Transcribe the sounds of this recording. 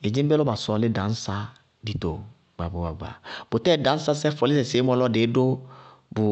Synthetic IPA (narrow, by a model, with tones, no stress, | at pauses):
e˨d͡ʒi˦be˦lɔ˦ba˨sɔ˨lɪ˦dã˨˦n̩˦sa˦ | di˦t̪o˨ | ɡ͡ba˨ba˨ba˨ɡ͡ba̰˨bo˨tɛ˦˨dã˨˦n̩˦sa˦sɛ˦fɔ˨lɪ˦sɛ˨se˨˦mɔ̃˦lɔ˦de˨˦do˦ | bʊ˨